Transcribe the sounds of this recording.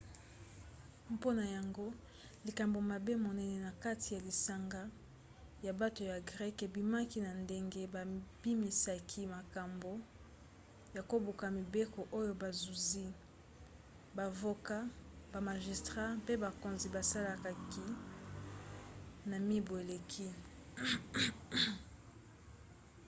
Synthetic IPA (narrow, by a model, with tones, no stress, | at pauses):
po˦na˨ja˨ŋɡo˦ | li˨ka˨mbo˨ma˨be˦mo˨nɛ˦nɛ˨na˨ka˦ti˨ja˨li˨sa˨ŋɡa˦ | ja˨ba˦to˨ja˨ɡʁɛ˦ke˨bi˨ma˦ki˦na˨nde˦ŋɡe˦ba˨b̥i˦mi˨sa˨kʰi˦ma˨ka˨mbo˦ | ja˨ko˦bu˨ka˨mi˨be˦ko˨ʔo˦jo˦ba˨zu˨zi˦ | ba˨vo˨ka˦ba˨ma˨ʒi˨stʁa˦pe˦ba˨ko˨nzi˨ba˨sa˦la˨ka˨ki˦ | na˨mi˦bo˨e˨le˨kʰi˦